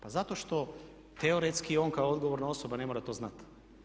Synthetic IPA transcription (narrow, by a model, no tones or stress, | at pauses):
pazat̪oʃt̪o̞ | t̪eoɾet̪skio̞ːŋkaood̪ɡoʋoɾnao̞sobane̞moɾat̪o̞ːznat̪